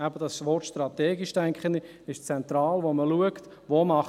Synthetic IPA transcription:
æbəd̥ɑsʋɔrtʃtrɑt̪ɛːɡɪʃtɛŋkχəndi | ɪʃt͡sɛnt̪rɑːlʋoməluəkt | ʋomɑχ

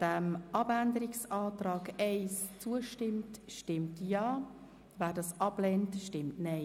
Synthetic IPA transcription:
d̥ɛmʔɑbændəɾɪksɑːtraːɡɛɪst͡suəʃtɪmtʃtɪmtjɑː | væːdɑːsʔɑblɛntʃtɪmtnɛɪ

